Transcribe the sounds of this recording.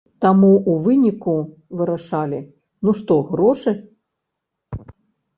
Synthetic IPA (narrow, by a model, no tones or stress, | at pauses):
t̪amuuvɨnʲiku | vɨɾaʂalʲi | nuʂt̪ɔɣɾɔʂɨ